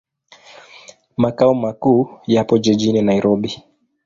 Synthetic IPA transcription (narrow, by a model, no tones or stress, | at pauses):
makaɔmakuːjapɔd͡ʒɛʄininaiɾɔɓi